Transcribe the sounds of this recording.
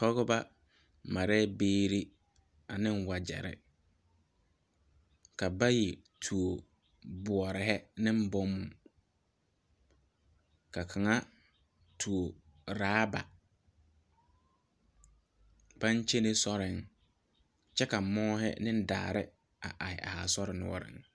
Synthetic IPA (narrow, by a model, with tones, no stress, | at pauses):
kɔ˦ɣɔ˦ba˦ | ma˨ɾɛ˦beː˦ɾi˦ | a˨nɪ̃˦n˦wa˨d͡ʒɛ̰˨ɾɪ̰˨ | ka˨ba˦ji˨tʰu˨o˨ | bʊ˨ɔ˨ɾɪ˨ɦɛ˦nɪ̃˦m̩˦bɔ˦mːʊ˨ | ka˨kʰa˨ŋa˦ | tʰu˨o˨ | ɾaː˦ba̰˨ | b̥a˦n˦t͡ʃe˦nɪ˦sɔ˦ɾɪ˨ŋ | t͡ʃɛ˦ka˨mɔː˦hɛ̰˦nɪ̃˦n˦da̰ː˨ɾɪ̰˦ | a˨ʔa˨hɪ˨a̰˨ha˨sɔ˦ɾɪ˨nʊ̰˨ɔ̰˦ɾɪ̰˨ŋ